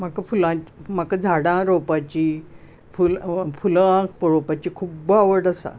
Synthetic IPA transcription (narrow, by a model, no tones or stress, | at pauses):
m̤akafulãm̤akad͡zʱaɽãɾopat͡ɕiː | fulfuləãk̚pəɾopat͡ɕiːkʰubaʋəɽasa̰